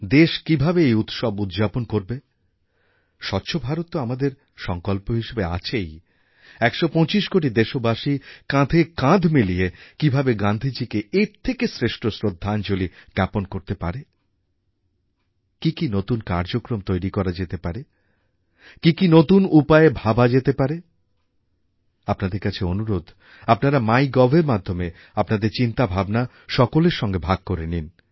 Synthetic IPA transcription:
d̪eʃkibʱabeejut̪ʃɔbud̪d͡ʑaponkoɾbe | ʃɔt̪ːɕʰobʱaɾot̪ːoamad̪eɾ | ʃɔŋkolpoɦiʃebea̰t͡ɕʰej | ɛkʃopɔ̃t͡ɕiʃkoʈ̬id̪eʃobaʃikãd̪ʱekãd̪ʱmiliekibʱabeɡãnd̪ʱid͡ʑikeeɾt̪ʰekesɾeʃʈosɾod̪ʱːand͡ʑoliɡɛponkoɾt̪epaɾe | kikinot̪unkaɾd͡ʑokɾomt̪ojɾikɔɾad͡ʑet̪epaɾe | kikinot̪unupaebʱabad͡ʑet̪epaɾe | apnad̪eɾkat͡ɕʰeonuɾod̪ʱ | apnaɾamajɡɔbʱeɾmad̪ʱːome | apnad̪eɾt͡ɕint̪abʱabna | ʃɔkoleɾʃɔŋɡebʱaɡ̚koɾenin

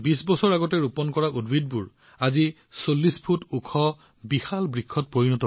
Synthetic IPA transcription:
bisbɔsɔɹaɡɔtɛɹupɔnkɔɹaʔudwid̚buɹ | azi | solːispʰutukʰɔ | bixalbɹikʰːɔt̚poɹinɔtɔ

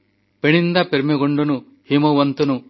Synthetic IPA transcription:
peɳind̪ɐpeɾmeɡoɳɖunu | himoʋɐnt̪unu

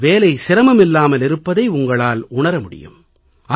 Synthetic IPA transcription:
ʋeːlɐɪsɪɾɐmɐmɪlːaːmɐlɪɾɯpːɐðɐɪʊŋɡɐɭaːlʊɳɐɾɐmʊɽɪ̰jɯ̰m | ɐ

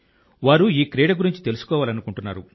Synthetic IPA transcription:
ʋaːɾuiːkɾeːɖɐɡuɾiɲt͡ʃi̥t̪e̞lusu̥kɔːʋaːlɐnukuɳʈunːa̰ːɾu

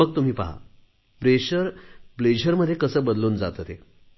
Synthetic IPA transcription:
əɡ̚t̪um̤iːpa̰ɦa̰ | bɾeɕəɾbled͡ʑəɾməd̪ʱːjekəsəːbəd̪luːnd͡zat̪ət̪e

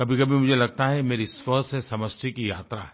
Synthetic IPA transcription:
kɐbʱikɐbʱimʊd͡ʒʱelɐɡ̚t̪aɦɛmeːɾiswɐsesɐməst̪ʰikija̰ːt̪ɾa̰ɦɛ

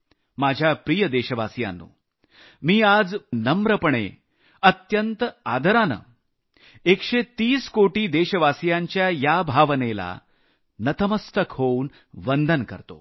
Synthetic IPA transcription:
mad͡ʑʱjapɾijəd̪eɕəʋasja̰nːṵː | miːad͡znəmɾəpəɳḛ | ət̪jənt̪ad̪ʱəɾanə̰ | ekʂet̪iːskoʈiːd̪eɕəʋasjaɲt͡ɕjajabʱaʋnela̰ | nət̪əməst̪əkɦoun | ʋənd̪ʱənkə̰ɾt̪o̰

